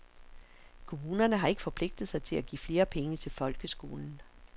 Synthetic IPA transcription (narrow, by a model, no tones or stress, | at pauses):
kʰo̝muːnɐnəɦɑ̈e̝ɡ̥əfɒ̽pʰle̝ɡ̥̚d̥ð̩ˠsɑ̈ɪt͡sʰe̝læɡ̥ḭːfle̝ːɐpʰeŋət͡sʰe̝lfɒ̽lɡ̥əsɡ̥o̝̰ːln̩